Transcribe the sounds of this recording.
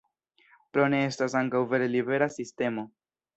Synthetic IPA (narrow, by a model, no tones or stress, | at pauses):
pɾo̞ne̞estasaŋkawve̞ɾe̞libe̞ɾasiste̞mo̞